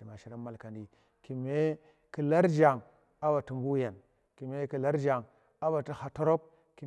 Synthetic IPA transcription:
i˨ma˨ʃi˦ɾa˦ma˨lka˨ndi˨ | ki˨me˦ | ki˨la˦ɾd͡ʒa˨ŋ | a˦ba˨tu˨mbu˦ja˨n | ki˨me˦ki˨la˦ɾd͡ʒa˨ŋ | a˦ba˨ti˦ha˨to˦ɾo˦b̚ | ki˨

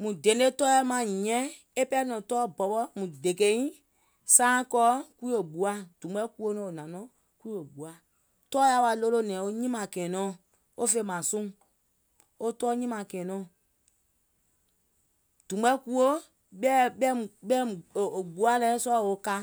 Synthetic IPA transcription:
mũ˨de˨˦e˦tɔ˦ɛ˦mã˨ɲĩ˨ɲɛ̃˦ | e˦pɛ˦nɔ̃˨tɔː˦bɔ˨ɓɔ˦mũ˨de˨ke˦ĩ˦ | sãː˦kɔː˦ku˦i˦o˨ɡ͡bu˨a˦d̥ũ˨ɓɛ˦ku˦o˦nɔ̃˨o˨nã˨nɔ̃˨˦ | ku˦i˦o˨ɡ͡bu˨a˨ | tɔː˦ja˧˦wa˧lo˦lo˦nɛ̃ː˨o˦ɲĩ˦mã˨kɛ̃ː˨nɔ̃ː˨˦˨ | o˦fe˧˨mã˨sũ˦ | o˦tɔː˦ɲĩ˦mã˨kɛ̃ː˨nɔ̃ː˦˨ | d̥ũ˨ɓɛ˦ku˦o˦ | ɓɛ˦ɓɛ˦ũ˨ɓɛ̃˦˨o˨ɡ͡bu˨˦a˦lɛ˦sɔ˦˨o˦ka˧

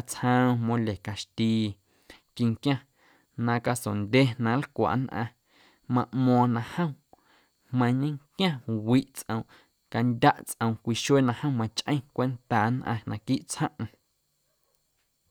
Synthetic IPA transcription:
a˧t͡shə̃˦˧mõ˧le˨ka˧ʃt̪iː˧ | ki˧ŋkjã˦ | nã˧ka˧so˨nd̪ʲe˦nã˧˨lkʷa̰˨ʔnʔã̰˧ | mã˧ʔmɔ̃ː˧nã˧hə̃˦ | hmə̃˧ɲĩ˦kjʲã˦˨wi˦ʔt͡sʔə̰̃˧w̃ | ka˧ndʲa˦ʔt͡sʔə̃˧w̃kʷi˧ʃeː˦˨nã˧hə̃˦˨mã˧t͡ʃʔə̃˦j̃kʷe˦nt̪aː˨nʔã̰˧nã˧kiː˦ʔt͡shə̃˦ʔ

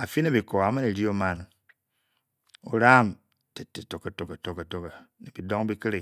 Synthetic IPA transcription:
a˨fi˦ne˦bi˨ko˨a˨˦me˦ne˨ɾi˦o˦ma˦n | o̰˦ɾa˦˨m | te˨tːe˨to˨kːe˨to˨ke˨to˨ke˨to˦ke˨ni˨bi˨dɔ˦ŋbi˦ki˦ɾi˦˨

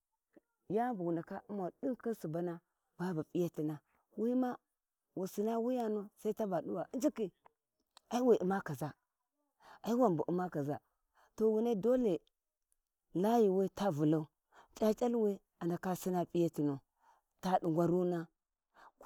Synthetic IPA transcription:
ja˦bu˨ɡu˨nda˨ka˦u˦ma˨ɗu˦nka˦su˨ba˦na˦ | ba˦ba˨pʼi˦ja˦ti˨na˨ | wi˦ma˦ | wu˨si˨na˦wi˦ja˦nu˦sa˦i˦ta˦ba˨du˦wa˨ʔi˦d͡ʒi˦ki˨ | a˦i˦wi˨ʔi˨ma˦ka˨za˨ | a˨i˦wa˦˨m˨bu˨ʔu˨˦ma˦ka˨za˨ | to˨wu˨ne˦do˦le˨ | la˦ji˨we˦ta˦vu˨la˦u˦ | t͡ʃʼa˦t͡ʃʼa˦lwi˦ | a˨nda˨ka˦si˦na˦pʼi˦ja˦ti˨nu˨ | ta˦du˨ŋɡʷa˨ɾu˦na˦

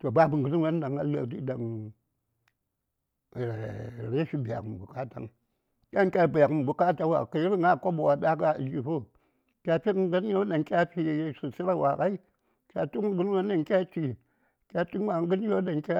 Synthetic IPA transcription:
to˨ba˦bu˨ɡu˨n˦a˦n˦da˨ŋa˨lə̰˨t̬i˦da˨ŋ˨ | ɾe˨ɾe˦ʃi˦bi˨a̰˨km˨bu˨ka˦ta̰˨ŋ | kʲa˦ŋkʲa˦˨bi˨ja˨km˨bu˨ka˦ta˦wa̰˨ka˨ji˦ɾi˦ŋa˦˨ko˦bu˨wa˨da˦ka˦˨d͡ʒi˨fo˦ | kʲa˨pi˦kɡə˦n˦jo˦da˨ŋkʲa˦pi˦˨˦su˨si˦ɾa˦wa˨ka˦i˦ | kʲa˨tu˦kɡu˦n˦wa˦n˦da˨ŋkʲa˦t͡ʃi˨ | kʲa˦ti˦n˦wa˨ɡə˦n˦jo˦da˨ŋkʲa˦

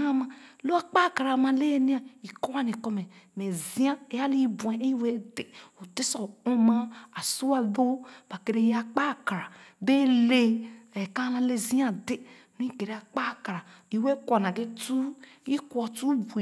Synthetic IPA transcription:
a˦ma˨lo˦a˦k͡pa˦˨ka˨ɾa˨ma˨le˦nĩ˦a˨i˨ko˦wa˦ni˨kɔ˦me˨me˨zi˦a˦e˨ja˦li˦bu˨e˨e˦we˦de˨o˨te˦sɔ˨u˦ma˦a˨su˦a˨ðo˦b̥a˨ke˨ɾe˦ja˨k͡pa˦˨ka˨ɾa˨be˦le˦e˨ka˦la˦le˦zi˦a˦de˦ | nũ˦i˦ke˨ɾe˦a˨k͡pa˦˨ka˨ɾa˨ | i˨we˦kʷɔ˨na˨ɡe˦tu˦ | i˦kwɔ˨tu˦bu˨

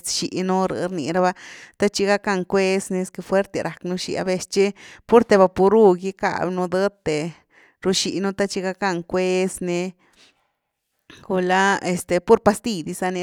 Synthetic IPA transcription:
sʃi˨nu˦ɾɨ̰˧ɾni˨˧ɾa˧ba˧t̪a˦t͡ʃi˦ɡa˦ka˧ŋkʷe˦sni˧˦ske˧fwe˦ɾt̪e˧ɾʔa˨knu˧ʃḭ˧a̰˧be˧st͡ʃi˦pu˦ɾt̪e˧ba˧pu˧ɾu˦ɡi˦ka̰˧bnu˧d̪ə˦t̪ːe˨ | ɾu˧ʃi˧nu˦t̪a˦t͡ʃi˦ɡa˧ka˧ŋkʷe˦sne˧ | ɡu˧la˦e˨st̪e˨pu˦ɾpa˧st̪i˧d̪i˧sa˧ni˧

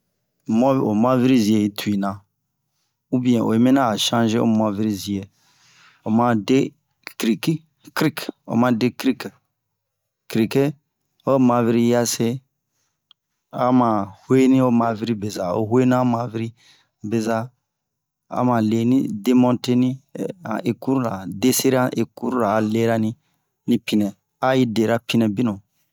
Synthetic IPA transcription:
mɔ̃˦˨o˨mã˦vi˦ɾi˦zi˨e˨i˦tʰu˨i˨nã˨ | u˦bĩ˨ɛ̃˨o̰˨e˦mẽ˦nã˦a˨ʃã˦ʒe˦o̰˦m˨ã˨vi˦ɾi˦zi˨e˨ | o˨mã˦de˦ | kɾi˨ki˦ | kɾi˦ko̰˨mã˦de˦kɾi˦k | kɾi˨ke˦ | o˦mã˨vi˦ɾi˦ja˦se˦ | a˦mã˨hwe˦nĩ˦o˦mã˨vi˦ɾi˦be˨za˨o̰˦ɦwe˦n˦a˦mã˨vi˦ɾi˦ | be˨za˦ | a̰˦mã˨le˨nḭ˦de˦mɔ̃˦nte˦nĩ˦a̰˨ʔe˨ku˦ɾu˦la̰˨de˦se˦ɾa˦ʔe˨ku˦ɾu˦ɾa˨le˦ɾa˦nĩ˦ | nĩ˦pi˨nɛ̃˨ | a˦ji˦de˨ɾa˦pi˦nɛ̃˨bi˦nɔ̃˨

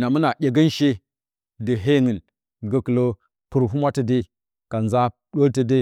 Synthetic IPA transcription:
na˨mə˦na˨ʔʲe˨ɡə˦n˦ʃe˦ | də˨ɦe˦ŋə˨n | ɡə˨kə˨lo˦ | pu˨ɾɦu˦mʷa˦tə˨de˦˨ | ka˨nza˦ | ɗo˦ltə˨de˦

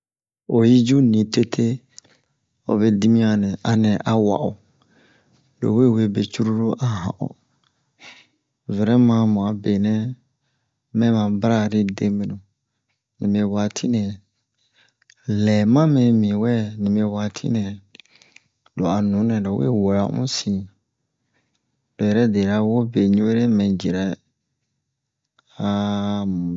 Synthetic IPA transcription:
o˨ji˦d͡ʒu˦nĩ˨te˦tʰe˦ | o̰˨be˨di˦mĩ˦a˨nɛ̃˨a˨nɛ̃˨ʔa˨wa̰˨ʔu˨ | lo̰˨we˦˨we˦˨be˨t͡ʃu˦ɾu˦ɾo˦ʔa˨ɦã̰˨ʔṵ˨ | vɛ˨ɾɛ˦mã˦mũ˨a˨be˨nɛ̃˦ | mɛ̃˦mã˨bɾa˦ɾi˦de˦mĩ˨nũ˨ | nḭ̃˨me˧˨wa˨tʰi˦nɛ̃˨ | lɛː˨mã˦mɛ̃˨mĩ˨wɛ˦nĩ˨me˨˧˦wa˨tʰḭ˦nɛ̃˨ | lo˨a˨nũ˨˦nɛ̃˨ɾo˨˦wḛ˦wo˨ɾa˨˦ʔṵ̃˦sĩ˨ | lo˨jɛ˨ɾɛ˦de˨ɾa˦wo˦be˨ɲũ˦we˦ɾe˦mɛ̃˨d͡ʒi˨ɾɛ˨ | a˨m˨

